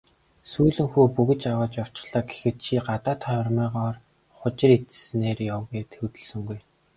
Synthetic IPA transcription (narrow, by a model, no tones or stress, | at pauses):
suːɮɘ̆ŋxuːpuɣɘ̆t͡ɕawʊːt͡ɕjaw̥t͡ɕɪ̥̆χɮaːke̥xɘ̆t̪t͡ɕʰiːɢat̪aːt̪ʰχœw̆rmæːʁɔːr | χʊt͡ɕɪ̆ret̪̆sɘneːrjawɣʲiːt̪ʰewt̪ɘ̆ɮsɘ̆ŋɡuj